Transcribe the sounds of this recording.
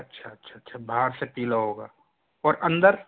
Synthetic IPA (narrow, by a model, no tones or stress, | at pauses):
ɐtːʃʰaɐtːʃʰatːʃʰabʱaːɾsepiːlaɦoːɡaː | ɔːɾʔɐ̃nd̪əɾ